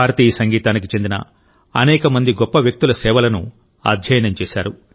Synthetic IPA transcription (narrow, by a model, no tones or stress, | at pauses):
aːɾɐt̪iːɐsɐŋɡiːt̪aːnikit͡ʃe̞nd̪inɐ̰ | ɐnɛːkɐmɐnd̪iɡɔpːɐʋjɐk̚t̪ulɐsɛːʋɐlɐnu | a̰ːd̪ʱjɐjɐnɐmt͡ʃɛːsaːɾu